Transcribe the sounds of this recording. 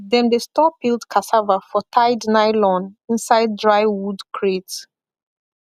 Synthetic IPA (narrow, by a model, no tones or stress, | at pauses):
ðɛ̃ndestɔpilˠdkʰasavafɔtʰaɪdnaɪlɔ̃nĩnsaɪd̚dɹaɪwudkʰɹet